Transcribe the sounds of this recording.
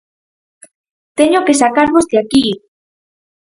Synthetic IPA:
t̪eɲokesakaɾβozd̪eaki

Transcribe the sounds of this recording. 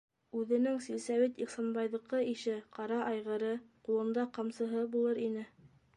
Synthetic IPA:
ʉðɘ̆nɘŋsilsæwit̪iχsɑnbɑjðɤ̆qːɤiʃɘqɑɾɑʔɑjʁɤ̆ɾɤqulˠɤ̆nd̪ɑqɑmsɤ̆ɦɤbulˠɤɾinɘ

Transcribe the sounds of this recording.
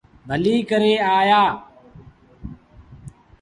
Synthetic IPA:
bʱəliːkəɾeːaːjaː

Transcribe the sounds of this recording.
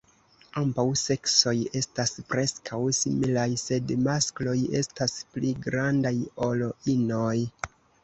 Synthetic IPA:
ambawse̞kso̞je̞staspɾe̞skʰawsḭmilajse̞dmasklo̞je̞staspliɡɾandajo̞loinoj

